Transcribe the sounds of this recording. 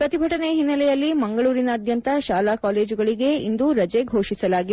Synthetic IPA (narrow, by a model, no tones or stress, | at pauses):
pɾɐt̪ibʱɐʈɐneɦinːɐlɛjɐlːimɐŋɡɐɭuːɾinɐːd̪ʱjɐnt̪ɐʃaːlaːkaːle̞ːd͡ʒuɡɐɭiɡe̞ind̪uɾɐd͡ʒeɡʱo̞ːʂisɐlaːɡi